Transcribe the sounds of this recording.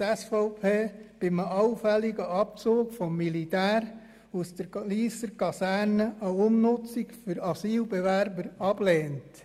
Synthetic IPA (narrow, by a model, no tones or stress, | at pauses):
ɛsfɔʊpʰeːb̥ɪməɑʊfɛliɡəɑp̚t͡soːkfɔmːilitæːɾ | usd̥əɾliːsəɾkɑsæːɾnəʔəʊmnʊt͡sikfyɾɑsiːlbɛʋæɾbəɾɑb̥leːnt